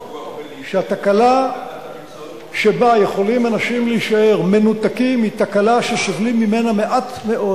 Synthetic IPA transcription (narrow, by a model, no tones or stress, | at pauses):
ʃeat̪akala | ʃebaje̞χo̞limanaʃimliiʃae̞ʁme̞nut̪akimit̪akalaʃeʃovlimːime̞name̞ʔat̪me̞ʔo̞